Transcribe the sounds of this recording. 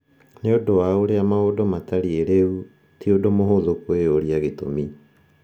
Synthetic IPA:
neodowaoɾeamaodɔmataɾieɾeu | tiodomoɦoðokweoɾiaɣeto̰mi

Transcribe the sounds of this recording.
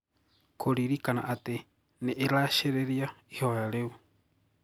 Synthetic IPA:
kʰoɾiɾikana̰ʔat̪e | nɛʔeɾaʃeɾeɾiaihoaaleu

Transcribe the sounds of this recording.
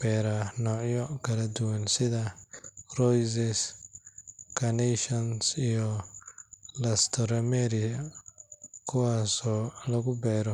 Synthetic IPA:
b̥ɛːɾɐnɔːʕjɔkʰɐlɐd̪ʊwɐnsɪðɐrɔjs̬ɛs | kʰɐnɛʃɔnsijɔ | lɐst̪ʰɔɾɐmɛɾɪ | kʰʊwaːsɔːlɐɣʊbɛːɾɔ

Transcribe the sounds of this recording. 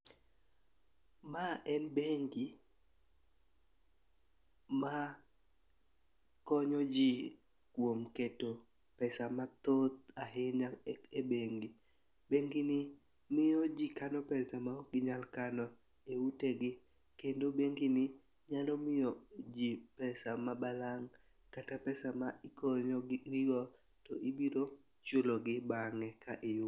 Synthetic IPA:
maʔɛnbeŋɡi | ma | kɔɲɔd͡ʒi | kwomketo | pɛsamat̪ot̪̚aɦɪɲaebeŋɡi | beŋɡinɪ | mɪjɔd͡ʒikanɔpɛsamaɔɡɪɲalkanɔ | euteɡɪ | kendobeŋɡinɪ | ɲalɔmɪjɔd͡ʒipɛsamabalaŋ | katapɛsamaɪkoɲɔɡiɡɔ | tɔʔibiɾo | t͡ʃʊloɡɪbaŋɛkaʔɪjʊ

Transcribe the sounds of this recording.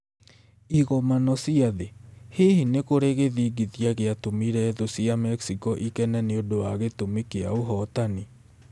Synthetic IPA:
iɣɔmanɔsiaðehehinekoɾeɣeðiɡitjaɣeatomiɾɛðosiamɛksikɔʔikɛnɛneodowaɣetomikeaoɦɔtani

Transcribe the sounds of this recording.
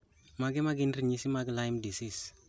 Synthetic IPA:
maɡemaɡinriɲisimaɡelajmdisis

